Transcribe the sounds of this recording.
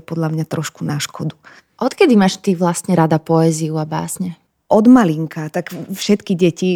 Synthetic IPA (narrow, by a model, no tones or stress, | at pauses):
pɔd̪ʎamɲat̪ɾɔʃkunaʃkɔd̪u | ʔɔt̪kɛd̪imaːʃt̪iʋlast̪ɲɛɾad̪apɔɛziuaba̰ːsɲɛ | ʔɔd̪maliŋkat̪akfʃɛt̪kiɟɛci